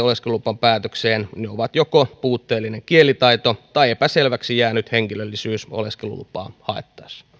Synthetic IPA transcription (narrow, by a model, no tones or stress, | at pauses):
oleskelupːɑmpæːt̪økseːnneoʋɑt̪jokopuːt̪ːeːlːineŋkielit̪ɑit̪ot̪ɑiepæselʋæksijæːnyt̪heŋkilølːisyːso̰leskelṵlṵpːˑɑ̰ːhɑˑḛt̪ːɑ̥ːsɑ̥